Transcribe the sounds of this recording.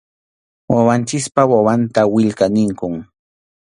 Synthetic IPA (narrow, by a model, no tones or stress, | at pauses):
wawant͡ʃɪspawawant̪awɪʎkanɪŋkʊŋ